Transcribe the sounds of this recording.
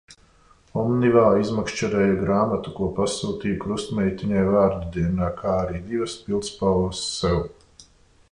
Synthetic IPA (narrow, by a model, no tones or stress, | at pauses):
ɔmnivaːizmakʃt͡ʃaɾɛːjaɡɾaːmat̪ukuɔpasuːt̪iːjukɾust̪mʲɛjt̪iɲajvaːɾd̪ud̪iɛnaːkʰaːaɾiːd̪ivɐspilˠt̪spalvəsːɛw